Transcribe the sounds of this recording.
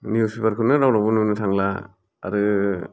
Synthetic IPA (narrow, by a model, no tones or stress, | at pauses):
niusipaɾkʰɯnɯɾawlabununɯtʰaŋla̰ | a̰ɾɯ